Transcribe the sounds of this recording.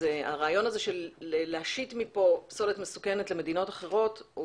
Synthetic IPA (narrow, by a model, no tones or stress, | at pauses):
ea̰ʁaːjo̞naze̞ʃe̞leleaʃit̪mipo̞pso̞let̪mesukene̞tle̞me̞d̪ino̞taχe̞ʁo̞t